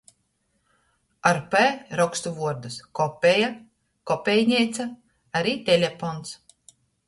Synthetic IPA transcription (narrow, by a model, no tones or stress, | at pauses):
aɾpɛːɾɔkst̪uvuɔɾd̪uskɔpʲːeja | kɔpʲɛjɲʲɛjt̪sa | aɾiːt̪ʲelʲefɔns